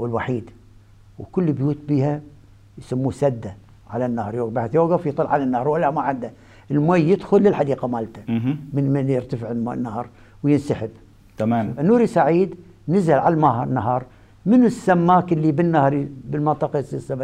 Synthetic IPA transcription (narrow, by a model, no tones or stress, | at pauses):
wɪlwaħiːd̪ | wkʊlːbjuːt̪̚biːha | jsamːuːsad̪ːa | ʕalanːahɑɾˤjoːɡbaħɪθjoːɡafjt̪ˤɨlːʕalanːɑhɑɾˤwalːamaʕɪnd̪a | ʔɪlmajːɪd̪xʊlːɪlħad̪iːqamaːlt̪amɪnmanjɪɾt̪afɪʕɪnːahɑɾˤ | wjɪnsaħɪb | t̪amaːmnːuːɾisaʕiːd̪ | nɪzalʕalmanːaɦɑːɾˤ | mɪnsːamːaːkɪlːibɪnːahɾˤibɪlmɑnt̪ˤɑqɑsɪsːama